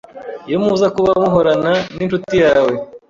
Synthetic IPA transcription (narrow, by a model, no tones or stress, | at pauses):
ijomuzakuβamuɦoɾananint͡ʃutijaːwe̞